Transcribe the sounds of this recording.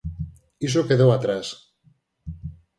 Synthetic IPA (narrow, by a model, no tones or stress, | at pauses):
is̬okeðowat̪ɾas